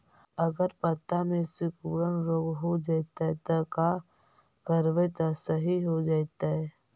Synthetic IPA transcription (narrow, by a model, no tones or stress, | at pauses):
ɐɡəɾpət̪amẽsɪkuːɾənɾoːɡɦod͡ʒaːt̪aɦɛt̪ɐka | kəɾʋet̪ɐsəɦiɦod͡ʒaːt̪aɦɛː